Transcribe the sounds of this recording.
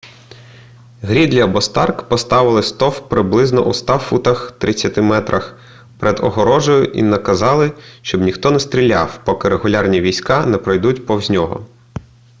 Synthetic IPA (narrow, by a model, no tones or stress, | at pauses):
ɦɾʲid̪lʲɐbɔst̪ɑrkpɔst̪ɑʋɪlˠɪst̪ɔwpɾɪblˠɪznɔ̰ʔust̪ɑfut̪ɐxt̪ɾʔɪt͡sʲːɐt̪ɪmɛt̪ɾʔɐx | pɾɛd̪ɔɦɔɾɔʒʊjʊʔḭnɐkɐzɑlˠɪʃt͡ʃɔbnʲixt̪ɔnɛst̪ʲɾʲilʲːɑ̰wpɔkɪɾeɦʊlʲɑrnʲiʋʲijsʲkɑnɛpɾɔjd̪utʲpɔwzʲnʲɔɦɔ̰